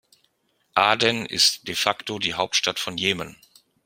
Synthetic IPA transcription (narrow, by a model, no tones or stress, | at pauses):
ʔaːdɛnʔɪ̰std̥efaktodiːɦaʊp̚tʃtatfɔnjeːmən